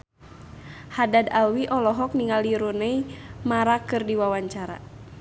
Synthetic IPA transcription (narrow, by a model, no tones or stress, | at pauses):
hadadawiʔɔlɔɦɔk̚niŋaliɾunɛimaɾakɨrdiwawaɲt͡ʃaɾa̰